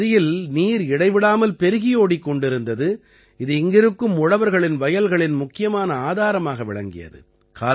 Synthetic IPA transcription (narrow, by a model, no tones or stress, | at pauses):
ɾɪjɪlniːɾɪɽɐɪʋɪɽaːmɐlpɛɾɯɣɪjoːɽikːɔɳɖɪɾɯnd̪ɐðɯ | ɪðɯɪŋɡɪɾɯkːɯmʊɽɐʋɐɾɣɐɭɪnʋɐjɐlɣɐɭɪnmʊkːɪjɐmaːnɐaːðaːɾɐmaːɣɐʋɪ̰ɭɐŋɡɪ̰jɐ̰ðɯ̰ | kʰaː